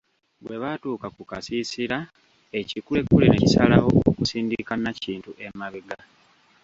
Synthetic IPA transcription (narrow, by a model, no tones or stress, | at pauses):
βwe̞βatuːkakukasisiɾa | e̞cikulekulinecisalawo̞o̰kusiːndikanaciːntuʔe̞maβiɡa